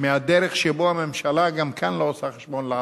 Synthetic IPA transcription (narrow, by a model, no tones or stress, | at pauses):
mead̪eɾeχʃebohamemʃalaɡamkʰanloosaχeʃbonlea